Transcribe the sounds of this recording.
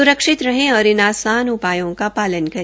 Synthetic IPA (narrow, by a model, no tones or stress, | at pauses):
ʊɾəkʃɪt̪ɾɐɦẽɔːɾɪnaːsaːnʊpaːjõkapaːlənkɐɾ